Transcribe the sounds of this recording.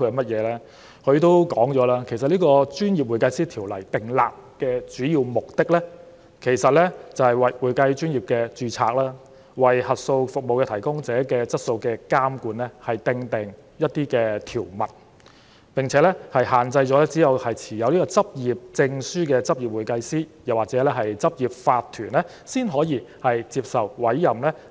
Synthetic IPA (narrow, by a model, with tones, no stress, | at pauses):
u˧˨mɐ˥t̚jɛː˨˧lɛː˥ | kʰɵ˧ɥt̪o˥wkɔː˨˥ŋt͡ʃɔː˨˥laː˥kʰe˨˩sɐ˨t̚liː˥kɔː˧t͡ʃyː˥njiː˨p̚wu˨jkɐ˧jsiː˥t̪ʰiː˨˩wlɐ˨˩jt̪ɪ˨˩ŋla̰ː˨k̚kɛː˧t͡ʃyː˨˥jiː˧wmʊ˨k̚t̪ɪ˥k̚lɛː˥ | kʰe˨˩jsɐ˨t̚lɛ˥t͡sɐ˨whɐ˨˩jwɐ˨˩jwuː˨˩jkɐ˧jt͡ʃyː˥njiː˨˩p̚kɛː˧t͡ʃyː˧t͡sʰa̰ː˧k̚laː˥ | wɐ˨jhɐ˨t̚so˧wfʊ˨k̚mo˨wkɛ˧t̪ʰɐ˨˩jkʊ˥ŋt͡sɛː˨˥kɛː˧t͡sɐ˥t̚so˧wkɛː˧kaː˥mkuː˨˧nlɛ˥hɐ˨jt̪ɪ˧ŋt̪ɪ˨ŋ | jɐ˥t̚t̪iː˥kɛː˧t̪ʰiː˨˩wmɐ̰˨˩t̚ | pɪ˨˩ŋt͡sʰɛː˨˥lɛ˥hɐ˨jɦaː˨nt͡sɐ˧jt͡sɔː˨˥lɛː˥t͡siː˨˥jɐ˨whɐ˨jt͡sʰiː˨˩jɐ˨˧wliː˥kɔː˧t͡sɐ˥p̚jiː˨˩p̚t͡sɪ˧ŋsyː˥kɛː˧t͡sɐ˥p̚ji˨p̚wuː˨˩jkɐ˧jsiː˥jɐ˨˩waː˨t̚t͡sɛː˨˥lɛ˥ɦɐ˨jt͡sɐ˥p̚jiː˨p̚faː˧t̪ʰːyː˨˩nlɛ˥ | siː˥nɦɔː˨˥jiː˨˧hɐ˨jt͡siː˧p̚sɐ˨wwɐ˨˥jːɐ˨˩mlɛ˥